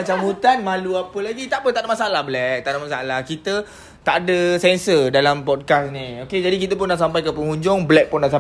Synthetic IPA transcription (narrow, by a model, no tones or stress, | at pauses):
at͡ʃamhut̪anmãluapəlaɡit̪aʔpət̪aʔdəmasaalahblɛk̚t̪aʔdamasaalahkit̪ə | t̪aʔadəsɛnsədalampɔd̚kasnioked͡ʒadikit̪əp̬ʊnːaʔsampajkəpəŋuɲd͡ʒʊŋblɛk̚pʊnːaʔs̬a